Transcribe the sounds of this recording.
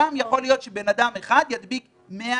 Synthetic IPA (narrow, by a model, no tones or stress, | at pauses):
amjaχo̞lijo̞t̪ʃebe̞nad̪ameχad̪jad̪bik | mea